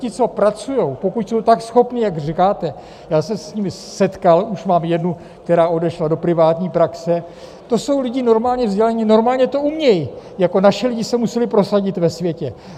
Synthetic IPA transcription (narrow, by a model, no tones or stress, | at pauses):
cɪt͡so̞pɾat͡sujo̞wpo̞kucsowt̪aksxo̞pnɪjaɡr̝ikaːt̪ɛ | jaːsɛsɲimɪ | sɛt̪kaluʃmaːmjɛdnu | kt̪ɛɾaːʔo̞dɛʃlado̞pɾɪvaːt̪ɲiːpɾaksɛ | t̪o̞so̞wlɪɟɪno̞ɾmaːlɲɛvzɟɛlɛɲɪno̞ɾmaːlɲɛt̪o̞ʔumɲɛjjako̞naʃɪlɪɟɪsɛmusɛlɪpɾo̞saɟɪt̪vɛsvjɛcɛ